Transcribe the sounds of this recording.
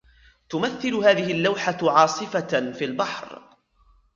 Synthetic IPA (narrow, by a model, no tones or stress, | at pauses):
t̪ʊmaθːɪlʊhaːðɪhɪlːawħaʕɑːsˤɨfafiːlbɑħɾ